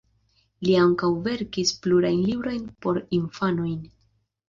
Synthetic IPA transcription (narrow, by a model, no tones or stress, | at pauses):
liaŋkawve̞ɾkispluɾajnlibɾo̞jnpo̞ɾinfano̞jn